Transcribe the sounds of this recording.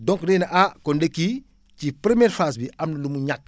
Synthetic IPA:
dõŋknenaʔakondeki | cipɾemeːɾfas̬biamnɐlumuɲak̚

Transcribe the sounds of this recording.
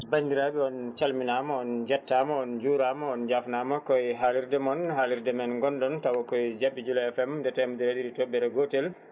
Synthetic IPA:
bandiɾabɛɔnt͡ʃalminamɔɔnd͡ʒɛtːamɔɔnd͡ʒuːɾamɔɔnd͡ʒafnaːmɔkɔjɦaliɾdɛmɔnɦaliɾdɛmɛnɡɔndɔntawɔkɔjd͡ʒabːid͡ʒulɔɛfɛmdɛtɛmudiɾediditɔbːɛɾɛɡotɛl

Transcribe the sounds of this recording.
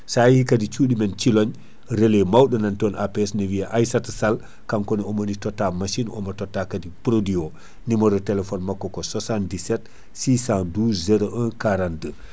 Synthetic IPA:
sajhikadit͡ʃuɗimɛnt͡ʃilɔɲ | ɾelemawɗɔnantonʔapeɛsnewiaʔajsatsal | kaŋkɔniɔmonitɔtːamaʃinɔ̰mɐtɔtːakadipɾodio | nimɔɾɔtelɛfɔnmakːɔkɔsosandisɛt | siːsãnduːszɛɾoʔə̃nkaɾandə

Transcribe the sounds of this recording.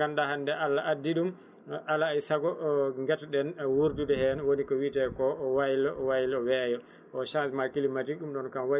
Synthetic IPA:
andahandɛʔalːaʔadːiɗum | ʔalaːjsaɡɔŋɡɛtɗɛnwuɾdudɛhɛnwonikɔwitɛkɔwajlɔwajlɔwɛjɔ | ɔʃãnsmakilimatiɗumɗɔnkamwa

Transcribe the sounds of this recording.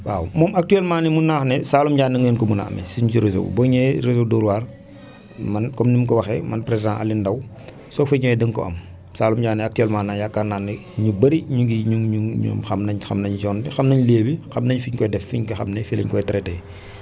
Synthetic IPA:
wa̰ːwmɔːmɐk̚tyɛlmaːnimunːaːxnɛsaːlumɟaːnːiŋɛːnkɔmunɐ̰ɐ̰mɛ̰siɲt͡ʃuɾezo̰wbɔɲɛɾezowdɔɾwaːr | mɐnkɔmnimkɔwɐxɛ̰mɐnpɾezdãʔɐ̰lːindɐw | sɔfɐɲɔɛdəŋkɔ̰ɐ̰m | saːlumɟaːnːɛak̚tyɛlmãːnajakːarnaːnɛ | ɲubɐɾiɲuɡiɲuŋɲuɲṵmxɐmnɐɲxɐmnɐɲd͡ʒɔːndixɐmnɐɲleːbixɐmnɐɲfiɲkɔjdɛfiɲkɔxɐmnɛfilɐ̰ɲkɔjtɾɛtɛj

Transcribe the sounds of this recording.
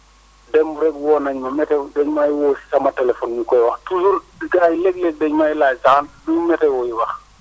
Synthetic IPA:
dɛmbuɾɛɡwɔːnɐɲmɐmɛtɛdɛɲmajwoːsi̥sɐmɐtɛlɛfɔnɲukɔjwɐxtusuldiɡajleɡ̚leɡ̚dɛɲmajilajsaandumɛtɛwɔjiwɐx

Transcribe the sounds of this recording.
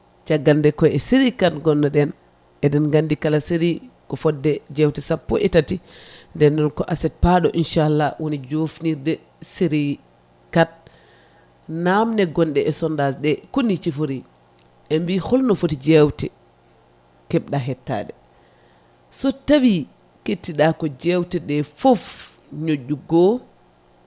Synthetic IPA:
t͡ʃaɡːandɛkɔjɛsiɾikatɡɔnːaɗɛn | ʔɛɗɛnŋɡandikalasiɾikɔfɔdːɛd͡ʒɛwtɛsapːɔ̰ʔɛtatindɛnːɔnkɔʔasɛt̚paɗɔʔinʃaalːawʔonid͡ʒofniɾdɛ | siɾi | kat̚ | namnɛɡɔnɗɛʔɛsɔndasɗɛkonːit͡ʃifoɾi | ʔɛmbihɔlnɔfotid͡ʒɛwtɛ | kɛɓɗaɦɛtːa̰ːɗɛ | sɔtawi | ketːiɗakɔd͡ʒɛwtɛɗɛfof | ɲoɟːuɡɔ

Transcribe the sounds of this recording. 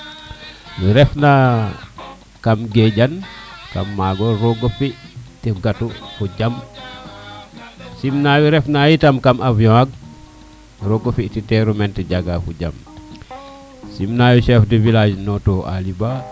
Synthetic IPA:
wiɾɛfna | kamɡeɟanka̰mːaɡɔɾoɡofitiɡatufuɟam | simnawiɾɛfnajitamkamʔavjɔ̃aɡ̚ | ɾoɡofititeɾumɛntiɟaɡafuɟa̰m | simnajuʃɛːfdivilad͡ʒnɔtoʔa̰liba

